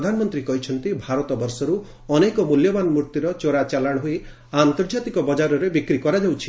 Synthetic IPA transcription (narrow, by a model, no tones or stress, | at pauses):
d̪ʱanɔmɔnt̪ɾikɔɦit͡ʃʰɔnt̪ibʱaɾɔt̪ɔbɔɾsɔɾu | ɔnekɔmuljɔbanmɾuɾt̪iɾɔt͡ʃoɾat͡ʃalaɽ̃ɦui | ant̪ɔɾd͡ʒat̪ikɔbɔd͡ʒaɾɔɾebikɾikɔɾad͡ʒawt͡ʃʰi̥